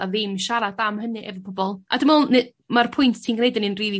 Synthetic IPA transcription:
aðɪmʃaɾadamhənɨʔɛvəbʰɔbɔlˠʔa̰dəmɔːlˠnɨ | marpʰʊjntʰtʰiːnɡnejdənɨnriːði

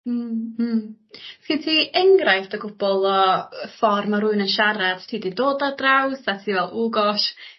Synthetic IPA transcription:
skɪntʰiːɛŋɡrajθtəɡʊb̥ɔlˠɔfɔrmaɾʊɨnənʃaɾad̥tʰiːdidoːdadrawsatʰiːvɛlˠuːɡɔʃ

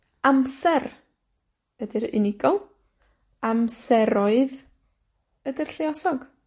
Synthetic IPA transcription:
amsɛr | ədɪɾɪ̰nɪɡɔlˠ | amsɛɾɔɨð | ədɪr̥ɬɪɔsɔɡ̥

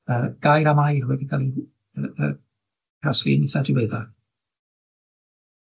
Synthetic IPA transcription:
əɡ̥ajɾamajrwɛdikʰalˠi | əə | kʰraslḭnɪθadɪweða

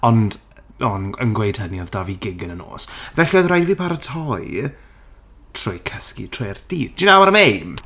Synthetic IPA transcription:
ɔnd | ɔnə̰nɡwejd̥həniɔðdaviɡɪɡənəno̰ːsvɛɬiɔjðrajdviːpʰaɾətʰɔj | tʰrʊjkʰəskḭtʰrʊjɛrd̥iːdd͡ʒ̥inawaɾəmejm

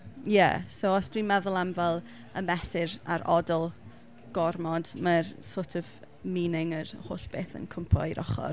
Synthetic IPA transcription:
jɛ̰soɔsd̥wimɛðʊlˠamvɛlˠ | əmɛsɪɾa̰ɾɔdɔlˠ | ɡ̥ɔrmɔdmarsoːtʰɔv | miːnɪŋəɾhoːɬb̥eːθə̰nkʰəmpʰɔ̰iɾʔɔ̰χɔ̰r

